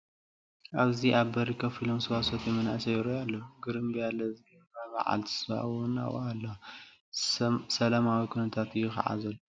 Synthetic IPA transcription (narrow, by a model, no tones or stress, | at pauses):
ʔaβziʔaβbɐɾikʰɐfilomsɨwasot̪jɛmɐna̰sɐjɪɾojalːoɡɨɾɨmbijalɐzɨɡɐabɐ̰ʕa̰lt̪ʰi̥sba̰ʔwʊna̰w̰alːɐ | sɐlamawikʰunɐt̪ʰat̪jɪxa̰ʕa̰zɐlː